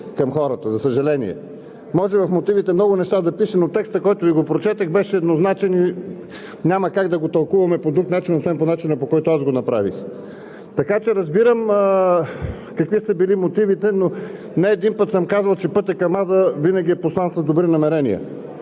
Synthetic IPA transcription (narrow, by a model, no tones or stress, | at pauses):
kɐmxɔɾət̪əzɐsəʒɐlɛnḭɛ̰ | mɔʒɛvɐfmot̪ivit̪ɛmnɔɡʊnɛʃt̪ad̪ɐpiʃɛnot̪ːɛkst̪əkɔjt̪ʊviɡopɾot͡ʃɛt̪əxbɛʃɛːd̪noznat͡ʃɛni | ɲʲaməkaɡd̪ɐɡot̪ɐlˠkuvɐmɛpod̪ɾuknat͡ʃinosvɛnponat͡ʃinəpokɔjt̪oazɡonɐpɾa̰vḭx | t̪ɐkat͡ʃɛɾɐzbiɾəm | kɐkvisəbilimot̪ivit̪ɛno | nɛːd̪inpət̪səmkazvɐlˠt͡ʃɛpɤt̪ʲɐkɐmad̪əvinəɡ̟ʲiɛposlˠant̪səzd̪obɾinɐmɛɾɛnḭə̰